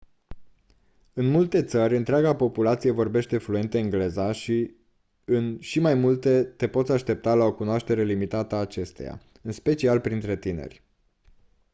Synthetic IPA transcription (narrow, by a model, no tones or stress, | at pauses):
ɨnmult̪e̞t̪səɾʲɨnt̪ɾeaɡapo̞pulat̪sije̞vo̞rbe̞ʃt̪e̞fluje̞nt̪eɨŋɡle̞zaʃi | ɨnʃimajmult̪e̞t̪e̞po̞t̪sʲaʃt̪e̞p̚t̪alao̞kunoaʃt̪e̞ɾe̞limit̪at̪əːt͡ʃe̞st̪ḛja̰ | ɨnspe̞t͡ʃialpɾint̪ɾe̞t̪ine̞̰rʲ